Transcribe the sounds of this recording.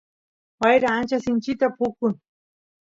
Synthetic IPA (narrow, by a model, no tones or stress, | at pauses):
wajɾaːnt͡ʃasɪnt͡ʃɪt̪apʊkʊn